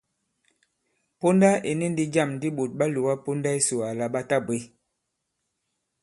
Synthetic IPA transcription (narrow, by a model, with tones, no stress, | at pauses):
po˦nda˦e˨ni˦n˦di˦d͡ʒa˦˨mn˦di˦ɓo˨t̚ɓa˦lu˨wa˦po˦nda˦e˦so˨a˨la˨ɓa˦ta˦be˦